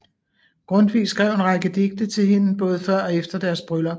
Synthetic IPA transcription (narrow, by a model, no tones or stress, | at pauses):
ɡ̥ʁɔ̽n̰d̥ʋḭːsɡ̥ʁɛʊ̰enʁɑ̈ɡ̥əd̥e̝ɡ̥̚d̥ət͡sʰe̝lɦe̝nb̥ɔ̽ːð̞ˠəfɶɐ̰ɒ̽efd̥ɐd̥æɐsb̥ʁœlɐ